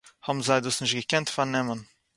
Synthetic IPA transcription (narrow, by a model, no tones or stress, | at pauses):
hɔbm̩zaɪdusnɪʃtɡəkɛntfaɾnɛmən